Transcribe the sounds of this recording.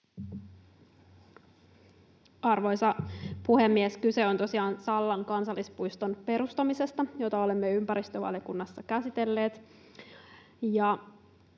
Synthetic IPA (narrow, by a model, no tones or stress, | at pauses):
ɑrʋo̞jsɑpuhemːieskyseo̞nt̪osiɑːnsɑlːɑŋkɑnsɑlːispujst̪o̞npe̞ɾust̪ɑmise̞st̪ɑjo̞t̪ɑo̞lemːeympæɾist̪øʋɑ̰ljokunːɑsːɑkæsit̪e̞lːe̞ːt̪ | jɑ